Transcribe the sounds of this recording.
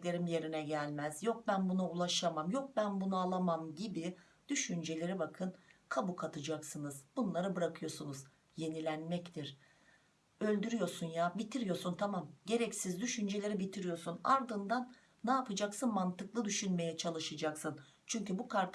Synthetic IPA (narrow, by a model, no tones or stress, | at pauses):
lʲe̞ɾimje̞ɾinɛɟælʲmæzjo̞k̚bænbunaulˠaʃamamjo̞k̚bænbunualˠamamɟibi | d̪̥yʃynd͡ʒe̞lʲe̞ɾibakʰɯnkʰabukʰat̪ʰɯd͡ʒaksɯnɯz̥bunlˠaɾɯbɯɾakʰɯjo̞ɾsunuz | je̞nilʲænmɛct̪ʰiɾ̥ | ø̞lʲd̪yɾyjo̞ɾsunjaːbit̪ʰiɾijo̞ɾsunt̪ʰamamɟe̞ɾɛcsizd̪yʃynd͡ʒe̞lʲe̞ɾibit̪ʰiɾijo̞sunaɾd̪ɯnd̪anː | aːpʰɯd͡ʒaksɯnmant̪ɯklˠɯd̪yʃynme̞jɛt͡ʃʰalˠɯʃɯd͡ʒaksɯnt͡ʃʰyɲcybukʰaɾt̪ʰ